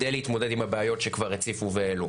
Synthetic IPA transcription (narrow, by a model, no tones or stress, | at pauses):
ejleit̪mo̞de̞d̪imhabeajo̞tʃekvaʁet͡sifuveelu